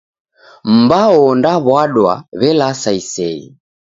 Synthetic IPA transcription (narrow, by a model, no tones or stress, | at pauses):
m̩baɔndaβwaɗwa̰βɛlasaisɛḭ